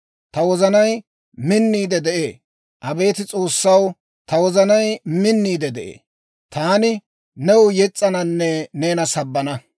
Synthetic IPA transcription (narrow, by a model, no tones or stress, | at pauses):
t̪ɐwɔzɐnɐj | mɪnːiːd̪ɛd̪ɛʔḛː | ʔɐbe̞ːt̪ɪt͡sʼo̞ːsːɐw | t̪ɐwɔzɐnɐjmɪnːiːd̪ɛd̪ɛʔḛː | t̪aːnɪ | nɛwʊjɛt͡sʼːɐnɐnːɛne̞ːnɐsɐbːɐnɐ